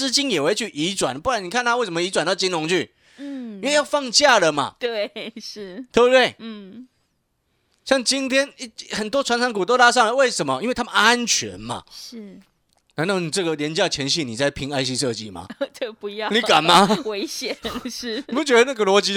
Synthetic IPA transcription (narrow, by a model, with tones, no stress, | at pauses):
ɹ̩˥t͡ɕi˥njɛ˨˩we˧˥ɪt͡ɕʰy˥˩ʔi˧˥t͡swa˨˩npu˥˩wa˧˦ni˨˩kʰa˥˧nt̪ʰa˥˦we˥˩ɪʂə˧˦mə˨i˧˥t͡swa˨˩nt̪ɑ˥˧ʊt͡ɕi˥nlʊ˧˥ŋt͡ɕʰy˥˩ | i˥nwe˥˧ɪjɑ˥˧ʊfɑ˥˧ŋt͡ɕja˥˨˩lə˨ma̰˨˩t̪we˥˩ɪʂ̩˥˩t̪ʰɛ˧˥bə˧t̪we˥˩ɪ˥˩ | ɕjɑ˥˩ŋt͡ɕi˦nt̪ʰjɛ˥ni˧xə˨˩nt̪wɔ˥t͡sʰwa˧˥nʈ͡ʂʰɑ˧˥ŋku˨t̪̬o˥˧ʊt̪a˥˧ʂ̬ɑ˥˩ŋa˧˦we˥˩ɪʂə˧˦nmə˦ʔi˥nwe˥˩ɪa˥ə˨na˦˥nt͡ɕʰɥɛ̰˧˦nma̰˨ʂɻ̩˥˩ | na˧˥na˥˩ʊni˨˩ʈ͡ʂɤ˥˩ɡə˩ljɛ˧˦nt͡ɕjɑ˥˧˩t͡ɕʰjɛ˧˥nɕi˥˩ni˨˩t͡sa˥˩ɪpʰi˧˥ŋa˥ɪɕi˧˥ʂɤ˥˧t͡ɕi˥˩ma̰˨˩˥pu˧jni˨˩ka˨˩nma˨˦we˧˥ɪɕjɛ˨˩˦nʂ̩˥˧˩pu˥˩t͡ɕɥɛ˦˥d̪ə˧na˥˩ɡə˨lwɔ˧˥t͡ɕi˧˥